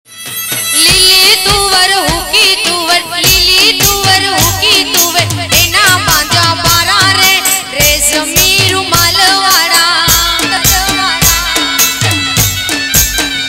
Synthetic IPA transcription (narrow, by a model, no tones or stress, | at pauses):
lilit̪uʋəɾɦukit̪uʋəɾlilit̪uʋəɾɦukit̪uʋeenaːbãːnd͡ʒ̪ãbaːɾaːɾe | ɾed͡ʒəmiːɾumaːləʋaːɽaːɐləʋaːɽa